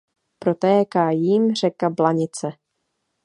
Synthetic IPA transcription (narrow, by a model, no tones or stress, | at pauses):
pɾot̪ɛːkaːjiːmr̝ɛkablaɲɪt͡sɛ